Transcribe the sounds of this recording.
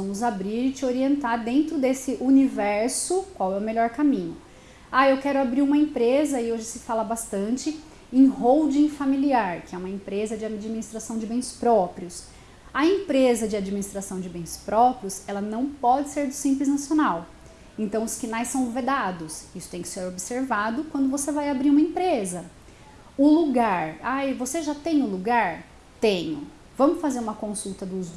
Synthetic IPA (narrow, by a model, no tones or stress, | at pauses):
ɐ̃mʊzabɾiɾt͡ʃɪoɾiẽnt̪aɾd̪ẽnt̪ɾʊd̪esɪʔunivɛɾsʊkwawɛʊmeʎɔɾkamĩɲʊ | aewkɛɾʊabɾiɾũmɐẽpɾezɐɪoʒɪsɪfalɐbast̪ɐ̃nt͡ʃɪ | ẽj̃ɦowd͡ʒĩfamiliaɾkɪɛũmɐẽmpɾezɐd͡ʒɪad͡ʒiminist̪ɾasɐ̃w̃d͡ʒɪbẽj̃spɾɔpɾiʊs | ɐẽpɾezɐd͡ʒɪad͡ʒiminist̪ɾasɐ̃w̃d͡ʒɪbẽj̃spɾɔpɾiʊsɛlɐnɐ̃w̃pɔd͡ʒɪseɾd̪ʊsĩmplɪznasionaw | ẽnt̪ɐ̃w̃ʊskinajsɐ̃w̃ved̪ad̪ʊsisʊ̥t̪ẽj̃kɪ̥seɾobɪseɾvad̪ʊkwɐ̃nd̪ʊvosevajabɾiɾũmɐẽmpɾezɐ | ʊluɡaɾajvoseʒat̪ẽj̃ʊluɡaɾ | t̪ẽɲʊ | vɐ̃mʊsfazeɾũmɐkõsut̪ɐd̪ʊz